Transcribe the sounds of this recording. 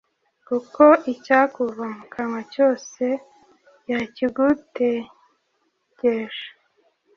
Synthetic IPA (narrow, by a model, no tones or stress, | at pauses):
kukoicakuβaŋkʰamaco̞ːse | jaciɡute | ɟeʃḁ